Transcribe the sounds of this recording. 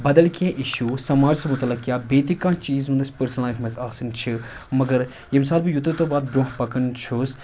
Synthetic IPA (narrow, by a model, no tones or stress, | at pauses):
bɐd̪ɐlkẽːʔiʃuːsɐmaːd͡ʒsɐmʊt̪ɐlɐkkijaːbeːt̪ikãːt͡ʃiːzũnd̪ɐsʲpəɾsənlaːjʈʰmɐzaːsɐnt͡ʃʰi | mɐɡɐɾ | jems̬aːd̪̚bɨjut̪ut̪obaːt̪̚bɾõːɦpɐkənt͡ʃʰus